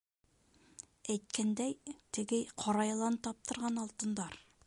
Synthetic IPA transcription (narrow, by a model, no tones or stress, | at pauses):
æjt̪̚kænd̪æjt̪ɘ̆ɡɘqʰɒɾɑjɤlˠɑnt̪ɒp̚t̪ʰɤ̆ɾʁɑnɒlˠt̪ɤ̆nd̪ɑɾ